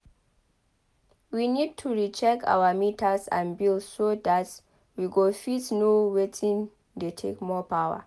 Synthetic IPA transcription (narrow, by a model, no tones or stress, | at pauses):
winid̚tʰuɹit͡ʃɛka̰wamitʰasã̰nbilssodat | wiɡofitnowetʰĩn | detʰḛkmɔpʰawa̰